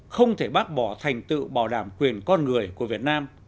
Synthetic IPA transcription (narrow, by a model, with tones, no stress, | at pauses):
xə˧wŋ͡mt̪ʰe˧˩ɓaː˦˥t̚ɓɔ˧˩t̪ʰa˨˩jŋ̟t̪ɨ̰˧˨ɓaː˧˩wɗaː˧˩˦mkwi˨˩ənkɔ˧nŋɨ˨˩əjku˧˩əvi˨˩ət̚naː˧m